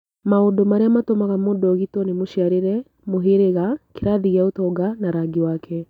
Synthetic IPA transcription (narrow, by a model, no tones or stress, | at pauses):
maodomaɾeamatomaɣamoːndɔɣitɔnemoʃiaɾeɾɛ | moɦeɾeɣakeɾaðiɣiaotɔɡanaɾaɡiwaːkʰɛ